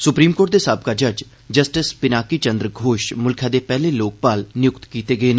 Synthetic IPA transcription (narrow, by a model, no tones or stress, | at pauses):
sʊpɾiːmkoːɾʈ̚d̪eːsaːb̚kaːd͡ʒəd͡ʒ | d͡ʒəsʈɪspɪnaːkiːt͡ʃənd̪ɾəɡʱoːʃmʊlkʰãːd̪eːpɛːleːloːk̚paːlnɪjʊkt̪kiːt̪eːɡəeːna